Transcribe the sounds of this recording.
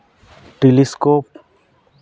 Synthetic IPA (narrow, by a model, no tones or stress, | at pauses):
ʈeliskop̚